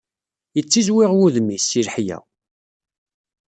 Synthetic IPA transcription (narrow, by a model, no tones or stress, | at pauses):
jət͡sːizwɪʁwuðmisːilħjæ̰